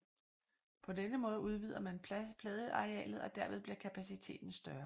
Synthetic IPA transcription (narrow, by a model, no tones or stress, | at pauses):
pʰɒ̽denəmɔ̽ːð̞ˠuð̞ˠʋḭð̰ˠɐmænʰpʰlɛːð̞ˠəʔɑ̈ʁeɛ̰ːlð̩ˠɒ̽d̥æɐ̰ʋeð̞ˠb̥liɐkʰæpʰæsit͡sʰe̝̰ːd̥n̩sd̥ɶːɐ